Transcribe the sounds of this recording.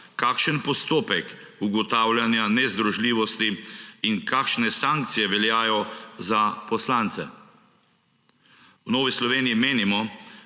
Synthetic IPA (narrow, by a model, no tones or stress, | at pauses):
kaːkʃənpɔst̪oːpɛk | uɡɔt̪aːwlʲjanjanɛzd̪ɾɔʒliːʋɔst̪iːnkʰaːkʃnɛsaŋkt̪sijɛʋɛljaːjɔzapɔslaːnt̪sɛ̰ | wnɔːʋislɔʋeːnijimeːnimɔ